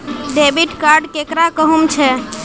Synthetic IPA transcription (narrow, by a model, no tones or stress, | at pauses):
ɖebiʈkaɾɖkekɾakəɦumt͡ʃʰɛ